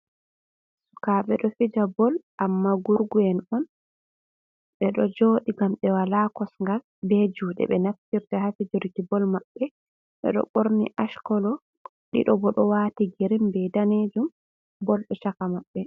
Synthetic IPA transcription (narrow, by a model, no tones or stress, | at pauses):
su̥kaɓɛɗɔfid͡ʒabɔlʔamːaɡuɾɡuɛnɔn | ɓɛɗɔd͡ʒoːɗiɡamɗɛwalakɔsŋɡal | bɛd͡ʒuːɗɛ̰ɓɛnaftiɾtahafid͡ʒuɾitibɔlmaɓːɛ | ɓɛ̰ɗɔ̰ɓoɾnḭʔaʃkɔlɔ | ɗḭɗɔbɔɗɔwatiɡeɾimbɛdaned͡ʒum | bɔlɗɛʃakamaɓːɛ